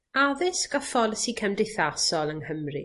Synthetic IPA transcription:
aðɪsɡɔfɔlˠəsikʰəmdɪθasɔlˠəŋhəmrḭ

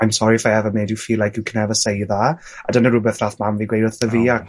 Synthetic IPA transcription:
ajmsɔɾifaɛvɔmeːdɪwfiːlːajkɨwkʰənɛvəsejða | adənəɾʊbɛθraθmamviːɡwejdəθəviːa

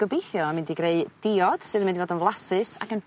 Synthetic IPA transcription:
ɡ̥əbejθjɔamɪndiɡreɨd̥ɪɔd̥sɨðəmɪndivoːdənvlˠasɨsa̰kən

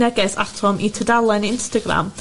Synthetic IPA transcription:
nɛɡɛsatʰɔmʔitʰədalˠɛnɪnstəɡɾa̰m

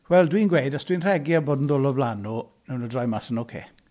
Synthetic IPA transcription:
wɛlˠdwiːnɡwejdasd̥winr̥ɛɡjaboːdn̩ðʊlˠɔvlanɔnɛwnɔdrɔjmasənokʰḛː

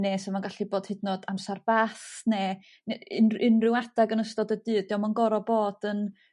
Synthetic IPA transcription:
nesɔmaɡaɬiboːd̥hɪdnɔdamsarb̥aθneː | nnɪnrɪwadaɡənəstɔdədɨːddiɔmanɡɔɾɔboːd̥ən

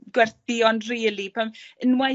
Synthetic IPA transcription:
ɡwɛrθiɔndriːlipʰamənwa

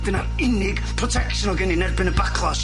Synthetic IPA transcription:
ð̥ənaɾɪnɪɡpʰrɔtʰɛkʃənɔɡəninɛrbɪnəbakʰlˠas

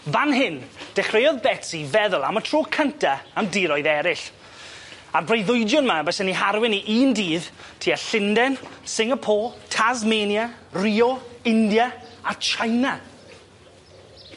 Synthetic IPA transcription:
vanɦɪnd̥ɛχrejɔðbɛtsivɛðʊlˠa̰mətʰr̥oːkʰəntʰaamdiːɾɔjðɛɾɪɬ | arbrejðʊjdjʊnmabɛsɛniɦaɾwɪniʔiːndiːðtʰiːaɬɪndɛnsɪŋəpʰoːtʰazmeːnjariːɔɪndjaat͡ʃʰajna

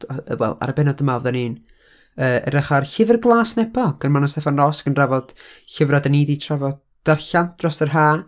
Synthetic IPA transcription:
ə̰wɛ̰lˠa̰ɾəbɛnɔdəmaɔvðaniːn | əːə̰ɾəχarɬɪvərɡlˠaːsnɛpʰɔɡ̥ənmanɔstɛfanrɔsɡ̥ənravɔd̥ɬəvradəniːditʰravɔd | d̥arɬand̥rɔsərɦaː

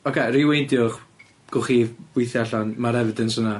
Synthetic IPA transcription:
ɔkʰeriwejndjʊχ | ɡ̥ʊχiwɪjθjaɬanmaɾɛvədɪnsəna

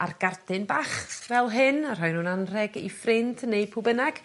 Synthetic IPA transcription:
arɡ̥ardɨnbaχθvɛlˠɦɨnar̥ɔjnuːnanrɛɡḭfrɪnd̥nejpʰʊbənaɡ̥

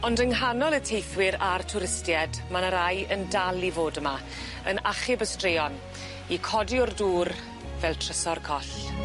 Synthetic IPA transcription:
ɔndəŋɦanɔlˠətʰejθwɪɾartʰʊɾɪstjɛdmanəɾajəndalˠivoːdəma | ənaχɪbəstreɔn | ikʰɔdiʊrduːr | vɛlˠtʰrəsɔrkʰɔɬ

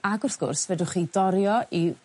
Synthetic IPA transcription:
aɡʊrθɡ̥ʊ̰rsvɛdʊχidɔɾjɔʔi

